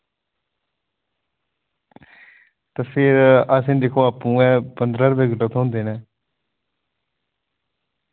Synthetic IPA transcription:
t̪aːfʰɪɾasĩːd̪eːkʰoːaːpːũːɛ̃ːpənd̪ɾaːɾəbeːɡəʈət̪ɦõːnd̪eːnɛː

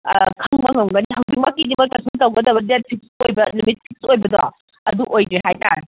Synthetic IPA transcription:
kʰɐŋbɐŋɐwɡɐnihawbik̚makːidimɐjkasʰuntawɡɐdɐbɐdet̚pʰik̚sojbɐnumit̚pʰik̚sojbɐdɔ | ɐduʔojdehajtaɾ

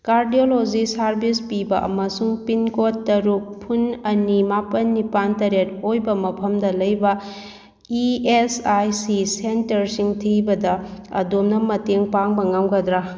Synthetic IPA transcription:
kaɾdiolod͡ʒisaɾbispibɐʔɐ̰mɐsuŋpinkotːɐɾuk̚pʰunɐnimapɐnːipantɐɾet̚ojbɐmɐpʰɐmdɐlɐjbɐ | iesajsisentɐɾsiŋtʰibɐdɐɐ̰domnɐmɐteŋpaŋbɐŋawɡɐd̪ɾa

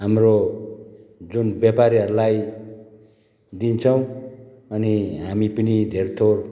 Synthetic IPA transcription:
ɦamro | d͡zunbjapaɾiɦʌɾulaj | d̪int͡sʰʌw̃ | ʌniɦamipʌnid̪ʱert̪ʰor

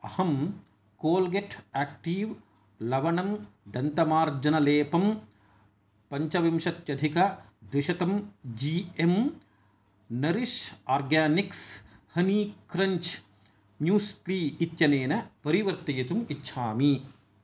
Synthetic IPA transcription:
ɐhɐm | koːlɡeʈʰaːkʈiːʋ | lɐʋɐɳɐmɖɐnt̪ɐmaːɾd͡ʒɐnɐleːpɐm | pɐɲt͡ʃɐʋimʃɐt̪jɐd̪ʱikɐ | d̪ʋɪʃɐt̪ɐmd͡ʒiːem | nɐɾiʃaːɾɡaːnikshɐniːkɾɐɲt͡ʃ | mjuːstliːit̪jɐneːnɐpɐɾiʋɐɾt̪ɐjit̪umitːʃʰaːmi

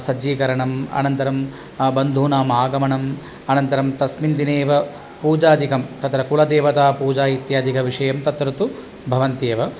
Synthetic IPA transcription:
sɐd͡ʒiːkɐɾɐɳɐmɐ̰nɐnt̪ɐɾɐm | bɐnd̪ʱuːnaːmaːɡɐmɐɳɐm | ɐnɐnt̪ɐɾɐmt̪ɐsmind̪ineːʋɐ | puːd͡ʒaːd̪ikɐmt̪ɐt̪ɾɐkuɭɐd̪eːʋɐt̪aːpuːd͡ʒaːjit̪jaːd̪ʱikɐʋiʂɐjɐmt̪ɐt̪ɾɐt̪u | bʱɐʋɐnt̪eːʋɐ

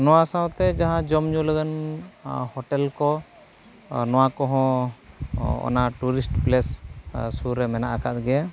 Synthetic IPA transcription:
nɔwasãwt̪ɛd͡ʒaɦãd͡ʒɔmɲuləɡan | hɔʈɛlkɔ | nɔ̃wakɔɦɔ̃ | ɔ̰naʈuɾisʈplɛssuɾɛmɛnaʔakat̪̚ɡɛa

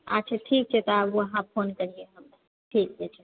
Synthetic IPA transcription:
a̰t͡ʃʰeʈʰiːk̚t͡ʃʰet̪ɔaboɐɦãpʰonkəɾieɦəm | ʈʰiːk̚d͡ʒet͡ʃʰe

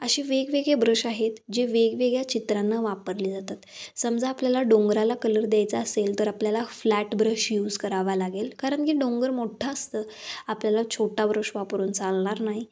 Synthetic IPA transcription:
əɕiːʋeɡʋeɡɭebɾəɕaɦet̪d͡ʑeʋeɡʋeɡɭjat͡ɕit̪ɾanːəʋapəɾliːd͡zat̪at̪səmd͡zʱaːpljalaɖõŋɡɾalakələɾd̪jajt͡saəselt̪əɾapljalaflæʈbɾəɕjuːd͡zkəɾaʋalaɡelkaɾəɳkiːɖõŋɡəɾmoʈʰaəst̪əː | apljalat͡ɕʰoʈabɾəɕʋapəɾuːnt͡salɳ̃aɾnaɦi

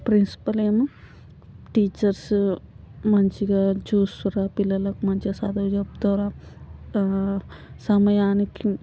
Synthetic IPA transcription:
pɾinsi̥pɐlem | ʈiːt͡ʃɐɾs | mɐnt͡ʃiɡad͡ʒuːsɐɾapilɐlɐkmɐnt͡ʃiɐsaːd̪ɐd͡ʒɐbd̪oːɾa | sɐmɐjaːniki

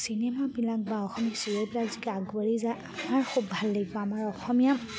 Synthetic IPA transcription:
sinɛmabilak̚baɔxɔmiasiɹepilakzikaɡwaɹizaamaɹxubːʱalːeɡibɔamaɹɔxɔmija

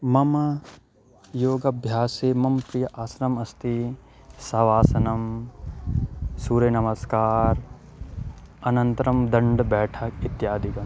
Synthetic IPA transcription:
mɐmɐ | joːɡɐbʱjaːseːmɐmpɾijɐʔaːsɾɐmɐst̪i | sɐʋaːsɐnɐm | suːɾɐjnɐmɐskaːɾ | ɐnɐnt̪ɾɐmd̪ɐɳɖbɛːʈʰɐkit̪jaːd̪ikɐ

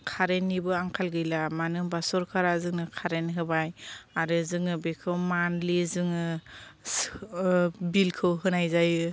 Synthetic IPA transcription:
kʰaɾenːibɯaŋkʰalɡɯjlamanɯmbasɔɾkʰaɾazɯŋnɯkʰaɾenɦɯbajaɾɯzɯŋɯbekʰɯwmanlizɯŋɯ | bilkʰɯwɦɯnajzajɯ

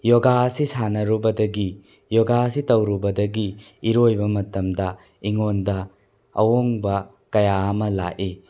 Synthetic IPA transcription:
joɡaɐsisanɐɾubɐdɐɡi | joɡaɐsitɐwɾubɐdɐɡiː | ɾojbɐmɐtɐmdɐ | iŋondɐ | ɐ̰woŋbɐ | kɐjaɐmɐla̰ʔi

